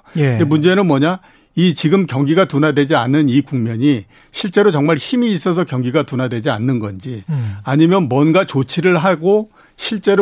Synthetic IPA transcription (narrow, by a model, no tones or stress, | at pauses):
jeemund͡ʑe̞nɯnmwʌɲa | it͡ɕiɡɯmkjʌŋɡiɡatunadwe̞d͡ʑianːɯnikuŋmjʌɲi | ɕʰiɭt͡ɕ͈e̞ɾot͡ɕʌŋmaɭçimiːs͈ʌsʰʌkjʌŋɡiɡatunadwe̞d͡ʑia̰nːɯnɡʌnd͡ʑiaɲimjʌnmwʌnɡat͡ɕot͡ɕʰiɾɯɭɦaɡo | ɕʰiɭt͡ɕ͈e̞ɾ